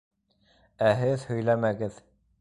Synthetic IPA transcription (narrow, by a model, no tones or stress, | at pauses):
æɦɘðhɵ̆jlæmæɡɘð